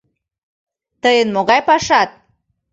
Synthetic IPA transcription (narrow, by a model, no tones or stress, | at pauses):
t̪əjənmoɣɑjpɑʃɑt̪̚